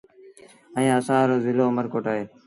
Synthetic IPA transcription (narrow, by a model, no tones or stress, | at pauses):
əĩːəsãːɾoːzɪloːməɾkoːʈaːɦeː